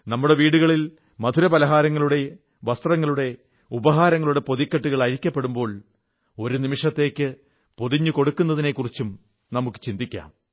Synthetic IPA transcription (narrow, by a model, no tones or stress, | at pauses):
nɐmːuɽe̞ʋiːɽuɣɐɭil | mɐd̪ʱuɾɐpɐlɐɦaːɾɐŋːɐɭuɽe̞ | ʋɐst̪rɐŋːɐɭuɽe̞ | ubɐɦaːɾɐŋːɐɭuɽe̞po̞ðikːɐʈːuɣɐɭɐɾikʲːɐpːe̞ɽumbo̞ːɭ | o̞ɾunimiʂɐt̪ːe̞ːkʲːɨ | poðiɲːɨko̞ɽukːunːɐðine̞kːurit͡ɕːum | nɐmukːɨ̥t͡ɕind̪ikʲːa̰ːm